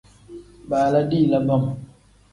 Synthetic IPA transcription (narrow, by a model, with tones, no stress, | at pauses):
baː˨la˦di˦˨la˦ba˦˨m